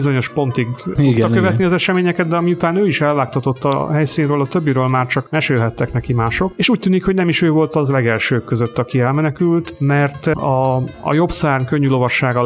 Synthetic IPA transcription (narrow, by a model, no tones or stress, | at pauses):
izo̞ɲo̞ʃpo̞nt̪iɡ̪ukɡ̪ɒkøvɛt̪niɒzɛʃɛmeːɲɛkɛd̪̚d̪ɛɒmiut̪aːnøːiʃɛlvaːk̚t̪ɒt̪o̞t̪ːɒ̰ɦɛjsiːnrøːlɒt̪ø̞bːiɾøːlmaːrt͡ʃɒkmɛʃelɦɛt̪ːɛknɛkimaːʃo̞keːʃuːc̚t̪yːnikho̞ɟnɛmiʃøːvo̞lt̪ɒzlɛɡɛlʃøːkːø̞zøt̪ːɒkiɛlmɛnɛkylt̪mɛrt̪ɒ̰ːjo̞bsaːrŋkø̞ɲːylo̞vɒʃːaːɡɒ